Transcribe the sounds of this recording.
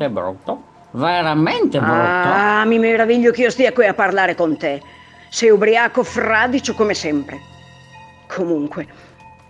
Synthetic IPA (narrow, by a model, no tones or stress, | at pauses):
ebɾṵt̪ːo | veɾament̪eɾamimeɾaviʎːokiːost̪iakwiapːarlaːɾekont̪e | sɛjubɾiaːkofɾad̪it͡ʃokomesɛmpɾe | kʰomuŋkwe